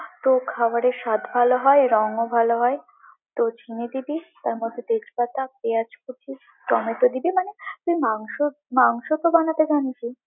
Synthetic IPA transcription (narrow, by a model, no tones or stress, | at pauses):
t̪okʰawaɾeʃat̪bʱaloɦɔeɾɔŋobʱaloɦɔe | t̪ot͡ɕʰined̪ibit̪aɾmod̪ʱːet̪ed͡ʑbat̪apeat͡ʃʰkutʰi | t̪ɔmet̪od̪ibemanet̪umaŋʃo | maŋʃot̪obanat̪ed͡ʑanit͡ɕʰi